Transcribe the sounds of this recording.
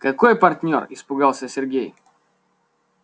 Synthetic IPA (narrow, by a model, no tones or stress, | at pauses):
kakɔjɛpaɾt̪nʲɔ̰ɾispuɡalˠsɛsʲɛɾɡʲɛj